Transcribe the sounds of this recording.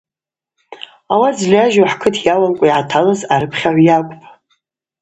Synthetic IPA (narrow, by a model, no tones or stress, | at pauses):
awad͡zlʲaʒaħkʰɨtʰjawamkʷʼaiʕatʰalɨzaɾɨpʰχʲaʕʷjakʷʼpʰʼ